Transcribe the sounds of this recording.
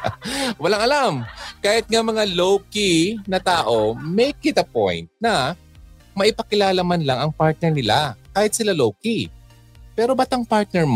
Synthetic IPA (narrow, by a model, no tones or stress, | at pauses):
wɐlaŋɐlamkaːhɪt̪̚ŋamɐŋalowkinɐt̪aːʔo̞mɛjkːɪt̪ɐpo̰jnt̪̚nɐ | mɐʔɪpɐkɪlaːlɐmanlaŋɐŋpaɹt̪̚nɛɹnɪlakaːhɪt̪sɪlalowki | pɛːɾo̞bat̪ɐŋpaɹt̪̚nɛɹm